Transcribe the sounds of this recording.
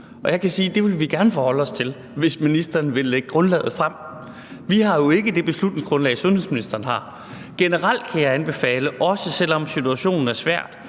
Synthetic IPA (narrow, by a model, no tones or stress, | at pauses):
ɒ̽jɑ̈ɪkʰæsiːd̥e̝ʋe̝lʋiɡ̥æɐnəfɒːhɒ̽ləɒ̽st͡sʰe̝l | ʋe̝sminisd̥ɐːnʋe̝leɡ̥əɡ̥ʁɔ̽nlɛ̰ːð̞̩ˠfʁam̰ | ʋihɑ̈jo̝e̝ɡ̥əd̥e̝b̥e̝slud̥ne̝ŋsɡ̥ʁɔ̽nlɛ̰ɪsɔ̽nhḛsminisd̥ɐːn̩ɦɑ̈ | ɡ̥enəʁal̰d̥kʰæjɑ̈ɪænb̥e̝fɛ̰ːləʔɒ̽səsel̰ɒ̽msit͡sʰuæɕo̝̰ːnn̩æɐsʋæɐ̰d̥